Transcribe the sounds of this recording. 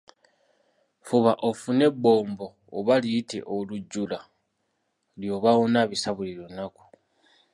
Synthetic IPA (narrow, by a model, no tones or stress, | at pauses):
fuβaʔo̞fune̞bːo̞ːmbo̞ːβalite̞̰ʔoluɟːula | ljo̞ːβawonaβisaβuliɾo̞naku̥